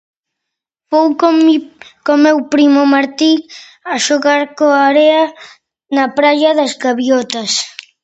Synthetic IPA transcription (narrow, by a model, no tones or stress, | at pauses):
fow | komewpɾimomaɾt̪i | aʃoɣaɾkoaɾeɐ | nɐpɾaʎɐðɐzɣaβiɔt̪ɐs